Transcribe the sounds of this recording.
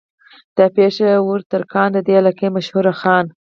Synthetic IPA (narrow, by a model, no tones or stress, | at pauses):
d̪̥əpeʃewuɾt̪əɾkɑnd̪əd̪ealɑkemaʃhuɾaxɑn